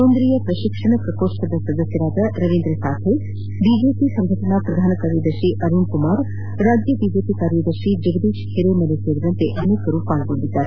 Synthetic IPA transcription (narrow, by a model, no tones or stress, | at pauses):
õnd̪ɾijəpɾɐʃɪkʂəɳ̃pɾɐkoːʃsəd̪əsɐd̪əsjəɾaːt̪ɐɾɐʋẽːnd̪ɾesaːt̪ʰe | bid͡ʒepisɐ̃ŋɡʱəʈənapɾɐd̪ʱaːnkaɾjəd̪əʃiʔɐɾuɳkʊmaːɾ | ɾaːd͡ʒjəbiːd͡ʒeːpikaːɾjəd̪əʃid͡ʒʊɡd̪iːʃhʰeɾemɐleseɾd͡ʒɐnt̪eʔɐnekːəɾupaːlbə̃nd̪id͡ʒaːɾ